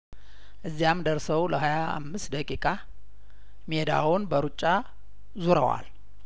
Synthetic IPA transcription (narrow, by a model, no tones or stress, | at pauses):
ʔɨzːijamd̪əɾsəwləɦajaa̰mːɨst̪d̪əkʼikʼa | med̪a̰wunbəɾut͡ʃʼːa | zuɾəwa̰l